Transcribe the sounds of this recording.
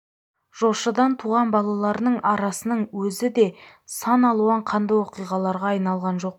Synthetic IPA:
ʒ̥o̞ʃəd̪ɑnt̪ʰuʁɑnbɑlˠɑlˠɑɾnəɴʔɑɾɑsənəɴwɵzɪd̪e̞ | sɑnɑlˠuɑɴqʰɑnd̪ɑjwo̞qijʁɑlˠɑɾʁɑːjnɑlˠʁɑnʒo̞q

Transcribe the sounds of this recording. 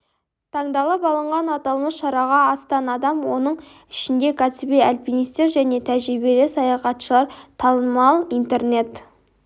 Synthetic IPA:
t̪ʰɑɴd̪ɑlˠəpɑlˠəɴʁɑnɑt̪ɑlˠməsʃɑɾɑʁɑːst̪ɑnɑd̪ɑmwo̞nəɴ | ɪʃɪnd̪e̞kʰat̪sibejalʲpinist̪e̞ɾʒæne̞t̪ʰæʒɾibelɪsɑjɑχɑt̪ʃəlˠɑɾt̪ʰɑnəmɑlˠijnt̪e̞rne̞t̪

